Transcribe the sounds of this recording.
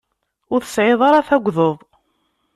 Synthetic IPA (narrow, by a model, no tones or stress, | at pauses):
ʊɾθə̥sʕɪðˤɑɾˤɑθæɡʷːðoðˤ